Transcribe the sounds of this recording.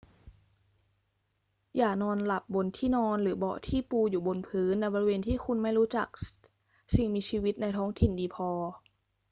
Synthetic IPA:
jaː˨˩k̚nɔː˧nla˨˩p̚bo˧nt̪ʰiː˥˩nɔː˧nlɯː˩˦bɔ̰˨˩t̪ʰiː˥˩puː˧juː˨˩bo˧npʰɯː˦˥nːa˧˥bɔː˧ɾi˧weː˧nt̪ʰiː˥˩xʰu˧nma˥˩jɾuː˦˥t͡ɕa˨˩k̚ | si˨˩ŋmiː˧t͡ɕʰiː˧wi˦˥t̪̚na˧jt̪ʰɔː˦˥ŋt̪ʰi˨˩ndiː˧pʰɔː˧

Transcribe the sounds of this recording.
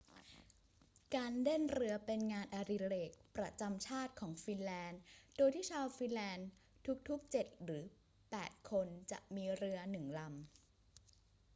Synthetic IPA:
kaː˧nde˥˩nɾɯ˧ɐpe˧nŋaː˧nʔa˧ɾi˧leː˨˩k̚pɾa˧t͡ɕa˧mt͡ɕʰaː˥˩t̪̚kʰɔː˩˦ŋfi˧nlɛː˧ndoː˧jt̪ʰiː˥˩t͡ɕʰaː˧wfi˧nlɛː˧nt̪ʰu˦˥k̚t̪ʰu˦˥k̚t͡ɕe˨˩t̪̚ɾɯː˩˦ | pɛ̰ː˨˩t̪̚kʰo˧nt͡ɕa̰˨˩ʔmiː˧ɾɯ˧ɐnɯ˨˩ŋla˧m

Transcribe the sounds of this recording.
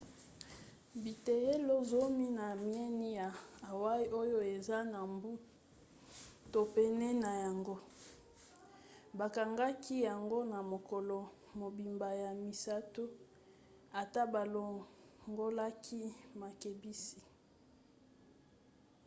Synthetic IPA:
bi˨te˨je˦lo˦zo˦mi˦na˨mi˦ɛ˦ni˦ja˨a˨wa˦i˦ʔo˦jo˦e˨za˦na˨mbu˦ | to˨pɛ˦nɛ˦na˨ja˨ŋɡo˦ | ba˨ka˨ŋɡa˦ki˦ja˨ŋɡo˦na˨mo˨ko˨lo˨ | mo˨bi˨mba˨ja˨mi˨sa˦tu˦ | a˨ta˦ba˨lo˨ŋɡo˦la˦kʰi˦ma˨ke˨bi˦si˨

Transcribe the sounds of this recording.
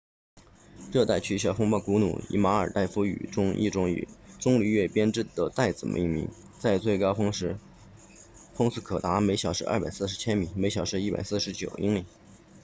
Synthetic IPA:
ʈ͡ʂɤ˥˧t̪a˥˩ɪt͡ɕʰy˥˩ɕ̬jɑ˥˩ʊfʊ˥ŋpɑ˥˩ʊku˧˥nṵ˨˩ḭ˧˥ma˧˥ə̰˞˨˩t̪a˥˩ɪfu˧˥y̰˨˩ʈ͡ʂʊ˥ŋḭ˥˩ʈ͡ʂʊ˥ŋḭ˨˩ʈ͡ʂʊ˥ŋli˧˥ɥɛ˥˩pjɛ˥nʈ͡ʂɻ̩˥˩d̪̥ə˩t̪a˥˩ɪt͡sɹ̩˨˩mʔə̰˧˥˧ḭ˥˩mḭ˧˥ŋ | t͡sa˥˧ɪt͡swe˥˩ɪkɑ˥ʊfʊ˥ŋʂɻ̩˧˥ | fʊ˥ŋsɹ̩˥˩kʰɤ˨˩t̪a˧˥me˧˥ɪɕjɑ˨˩ʊʂɻ̩˥a̰ɐ̰˥˩pa˨˩ɪsɹ̩˥˩ʂ̬ɻt͡ɕʰjɛ˥nmi˨˩˦me˧˥ɪɕjɑ˨˩ʊʂɻ̩˥i˥˩pa̰˨˩ɪs̩˥˩ʂɻt͡ɕjo˨˩ʊi˥ŋli˨˩˦

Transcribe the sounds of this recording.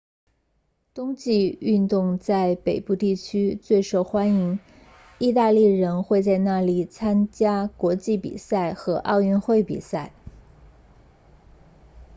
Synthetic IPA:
t̪ʊ˥ŋt͡ɕi˥˧y˥˧nt̪ʊ˥˧ŋt͡sa˥˩ɪpe˨˩ɪpu˥˧t̪i˥˩t͡ɕʰy˥t͡swe˥˩ɪʂo˨˩ʊxwa˥ni˧˥ŋ | i˥˧t̪̬a˥˧li˥˩ɻə˧˥nxwe˥˧ɪt͡sa˥˧ɪna˥˩li˨˩t͡sʰa˥nt͡ɕja˥kwɔ˧˥t͡ɕi˥˩pḭ˨˩sa˥˩ɪxɤ˧˥ʔɑ˥˧ʊɥɛ˥˧nxwe˥˩ɪpḭ˨˩sa˥˩ɪ

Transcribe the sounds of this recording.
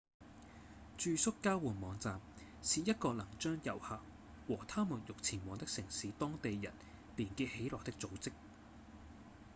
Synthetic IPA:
t͡ʃyː˧sʊ˥kːaː˥wuː˨˩nmɔː˨˧ŋt͡saː˨˧m | siː˨˧jɐ˥t̚kɔː˧lɐ˨˩ŋt͡ʃœː˥ŋjɐ˨˩whaː˨˧k̚ | wɔː˨˩t̪ʰaː˥muː˨˩njʊ˨k̚t͡sʰiː˨˩nmɔː˨˧ŋt̪ɪ˥k̚sɪ˨˩ŋsiː˨˥t̪ɔː˥ŋt̪e˨jjɐ̰˨˩n | liː˨˩nkiː˧he˨˥jlɔː˨k̚t̪ɪ˥k̚t͡so˨˧wt͡sɪ˥k̚

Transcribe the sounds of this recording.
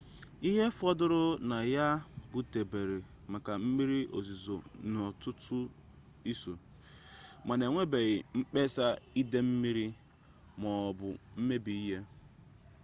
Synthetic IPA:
i˦ɦe˦fɔ˦dʊ˦ɾʊ˦na˨ja˦ɡʊ˨te˨be˨ɾe˨ | m̩˨ka˨m̩˦mi˦ɾi˦o̰˨zi˨zo˨n˨ɔ˨tʊ˦tʰʊ˦ | i˦so˨ | ma˨ne˨ŋʷe˦be˨ɣɪ˨ŋ͡m̩˦k͡pe˦sa˦i˦de˦m̩˦mi˦ɾi˦ | mɔ˨ɔ˨bʊ˨m̩˦me˦bi˨i˦ɦe˦

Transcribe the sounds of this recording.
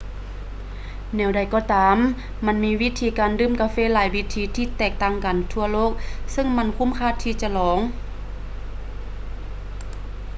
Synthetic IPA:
nɛː˧˩wda˨˩jkɔː˧t̪aː˨mː | a˧˥˨nmiː˧˥wi˦˧˥t̪ʰiː˧˩kaː˨ndɯː˧˥˨mkaː˧˦feː˧˥˨laː˨˦jwi˦˧˥t̪ʰiː˧˦t̪ʰiː˧t̪ɛː˧˩k̚t̪aː˧˥˨ŋka˨nt̪ʰu˧˩ɐloː˥˩˨k̚sɯ˧˥˨ŋma˧˥˨nkʰu˧˥˨mkʰaː˧˩t̪ʰːiː˧˩t͡ɕa˧lɔː˨˦ŋ

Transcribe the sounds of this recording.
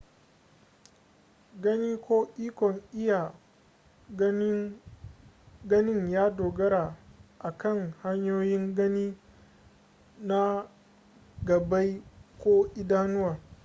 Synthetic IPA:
ɡɐ˦niː˦koː˦ʔiː˦kʷɔ˨ŋʔɪ˦ja˨˦ | ɡɐ˦nɪ˦ŋjaː˦doː˨ɡɐ˦ɾa˨ʔa˨kɐ˦˨ŋha˦ɲjoː˦jɪ˦ŋɡɐ˦niː˦ | na˦ | ɡɐ˨ba˦jkʷoː˦ʔɪ˦daː˦nʊ˦waː˨

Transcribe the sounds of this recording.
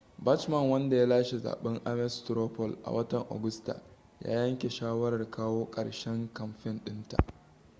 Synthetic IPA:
bɐ˦t͡ʃmɐ˨ŋwɐ˦nda˨ja˦laː˦ʃe˨za̰ː˨ɓɛ˦ŋʔa˦mɛ˦stɾoː˦pɔ˨lʔa̰˨wɐ˦tɐ˨ŋʔa̰˨ɡʊ˦sta̰˨ | ja̰ː˦jɐ˦ŋkʲe˨ʃaː˦wɐ˦ɾɐ˨rkaː˦woː˦kʼɐ̰˨ɽʃɛ˦ŋkɐ˨mɸɪ˦nɗɪ˦nta̰˨ʔ

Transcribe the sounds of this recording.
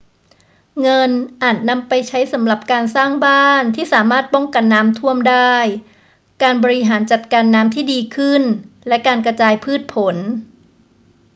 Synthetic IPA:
ŋɤ˧nʔaː˨˩t̪̚na˧mpa˧jt͡ɕʰa˦˥jsa˩˦mɾa˨˩p̚kaː˧nsaː˥˩ŋbaː˥˩nt̪ʰiː˥˩saː˩˦maː˥˩t̪̚pɔ˥˩ŋka˧nːaː˦˥mt̪ʰu˥˩əmdaː˥˩j | kaː˧nbɔː˧ɾi˦˥ɦaː˩˦nt͡ɕa˨˩t̪̚kaː˧nːaː˦˥mt̪ʰiː˥˩diː˧kʰɯ˥˩nlɛ˦˥kaː˧nkɾa˧t͡ɕaː˧jpʰɯː˥˩t̪̚pʰo˩˦n

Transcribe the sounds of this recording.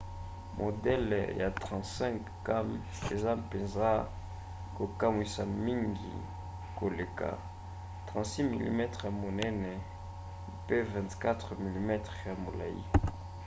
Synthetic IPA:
mʔo˨dɛ˦lja˨tʁɑ̃˨ntsɛ̃˦ŋk | ka˦m | ḛ˨za˦pe˨nzʁa˦ | ko˨ka˦mwi˨sa˨mi˦ŋɡḭ˨ | ko˨le˨ka̰˨ | tʁɑ̃˨tsi˦mḭ˨lḭ˨mɛ˦tʁja˨mo˨nɛ˦nɛ˨ | pe˦vɛ̃˨ntka˦tχmi˨li˦mɛ˦tχja˨mo˨la̰˨jḭ˦

